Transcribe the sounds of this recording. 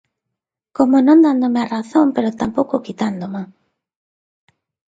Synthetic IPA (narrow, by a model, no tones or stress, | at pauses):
komonõnd̪and̪omearaθompeɾot̪ampowkʊkit̪and̪oma